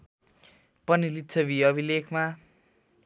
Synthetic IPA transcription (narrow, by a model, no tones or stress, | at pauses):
pʌnilit̪ːt͡sʰʌbiʌbʱilekʰma